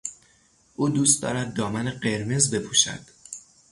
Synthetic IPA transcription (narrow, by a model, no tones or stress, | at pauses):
ʔuːd̪uːst̪̚d̪ɒ̰ːɾæd̪ːɒːmæneɢe̞ɾme̞zbe̞pʰuːʃæ̰d̪̥